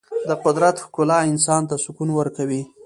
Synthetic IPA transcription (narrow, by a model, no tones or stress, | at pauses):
d̪əqʊd̪ɾat̪xkʊlɑɪnsɑnt̪asʊkunwəɾkawi